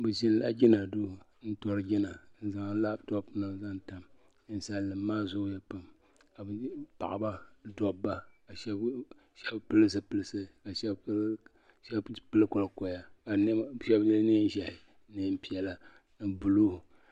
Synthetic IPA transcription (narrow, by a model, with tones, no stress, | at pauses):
bɨ˨ʒi˦n˦la̰˦d͡ʒʲɪ˦na˨du˦˨ | n̩˦tɔ˦ɾɨ˨˦d͡ʒɪ˦na˨n̩˦za˨ŋ˦la˦btɔ˦pna˨za˦nta˨m˦ | n̩˦sa˦lːɨ˨mː˦aː˦zʊ˦jɛ˦pɨ˨m | ka˨bɨ˨pa̰˨ʔa˨ba˦dɔ˨bːa˦ka˨ʃɛ˦b | ʃɛ˦bpɨ˦lɨ˦s̬ɨ˦pɨ˨lɨ˨sɨ˦ka˨ʃɛ˦b | ʃɛ˦bpɨ˦lɨ˦ko˨lkɔ˨ja˨ka˨n˦ʃɛ˦bnɨ˦n˦ʒɛ˨hɪ˨ | nɨ˦m̩˦pi˦ɛ˨la˨ | nɨ˨bu˨lu˦h